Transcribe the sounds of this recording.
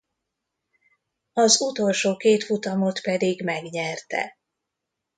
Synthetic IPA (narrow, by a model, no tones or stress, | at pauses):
ɒzut̪o̞lʃoːkeːt̪fut̪ɒmo̞t̪pɛd̪iɡmɛɡɲɛrt̪ɛ̰